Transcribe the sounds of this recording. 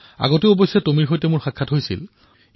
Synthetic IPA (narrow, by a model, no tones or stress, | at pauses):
a̰ɡoteʊobojsɛtomiɹxojtɛmʊɹxakʰːatɦojsḭl